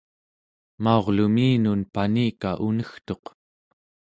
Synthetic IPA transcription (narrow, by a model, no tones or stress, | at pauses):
mao̞ʁlumiːnunpaniːkaʔunəxt̪o̞q